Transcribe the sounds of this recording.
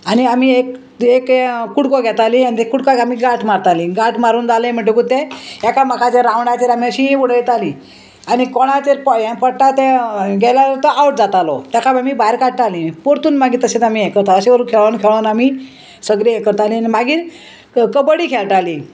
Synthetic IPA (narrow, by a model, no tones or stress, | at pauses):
aniamiek | ekkːuɽkɔɡʱɛt̪alĩaniekːuɽkɔamiɡaʈʰmaɾt̪alĩɡaʈʰmaɾuːnd͡zaləjm̤əɳʈ̬okut̪ːeɛkaməkat͡seɾãwɳat͡seɾamiəɕĩuɽəjt̪alĩ | anikɔɽat͡seɾpɔjɛ̃pəɽʈat̪ɛ̃ɡʱɛlaɾəɾt̪əʔawʈ̚d͡zat̪alɔ̰t̪ɛkʰabamiːbajɾkaʈʈalĩpoɾt̪uːnmaɡiːt̪əset̪amijɛkəɾt̪aəseʋəɾuːnkʰɛɭankʰɛɭanami | səɡɾijɛkəɾt̪alĩanimaɡiːɾ | kəbəɽiːkʰɛɭʈali